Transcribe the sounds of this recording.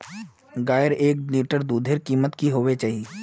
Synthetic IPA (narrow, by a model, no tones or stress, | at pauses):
ɡaːjəɾeːkniːʈəɾd̪uːd̪ʱeɾkiːmət̪kiɦoːʋet͡ʃaːɦi